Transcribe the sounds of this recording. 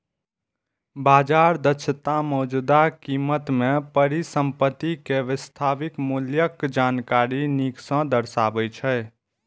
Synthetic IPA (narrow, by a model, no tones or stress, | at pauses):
bad͡ʒaɾd̪ət͡ʃʰət̪amɔd͡ʒud̪akimət̪mepəɾisəmpət̪ːikeʋɪst̪ʰaʋikmuljəkd͡ʒankaɾiniksə̃d̪əɾsabəjt͡ʃʰɛɪ